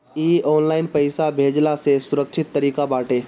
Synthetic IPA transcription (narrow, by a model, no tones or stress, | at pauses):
iːɔːnlaːɪnpɐɪsabʱeːd͡ʒlasesʊɾəkʃɪt̪ːəɾiːkabaːʈeː